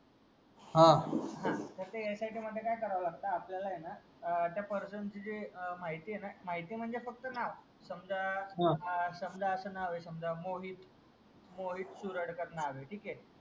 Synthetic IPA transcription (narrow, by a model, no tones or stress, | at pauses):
ɦãɦãt̪əɾt̪ejasaiʈʰiːm̤əd̪ʱːjekajkəɾaʋlaɡ̚t̪aːpljalajena | t̪japəɾsənt͡ɕid͡ʑimaɦit̪iːɦenamaɦit̪iːm̤əɳd͡zefək̚t̪ənaʋ | səmd͡za | səmd͡zaəsənaʋesəmd͡zamoɦit̪ | moɦit̪suɾəɽkəɾnaʋeʈʰiːke